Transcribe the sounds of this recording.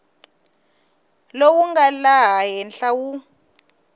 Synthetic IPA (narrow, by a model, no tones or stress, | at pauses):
lowuŋɡalaɦaɦɛnɬawu